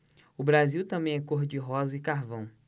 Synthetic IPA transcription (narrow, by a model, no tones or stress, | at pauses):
ʊbɾaziwt̪ɐ̃mbẽj̃ɛkoɦd͡ʒɪɦɔzɐɪkaɦvɐ̃w̃